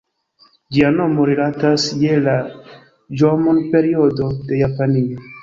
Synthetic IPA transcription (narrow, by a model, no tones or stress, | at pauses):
d͡ʒiano̞mo̞ɾelatasje̞la | d͡ʒomonpe̞ɾio̞do̞de̞japanio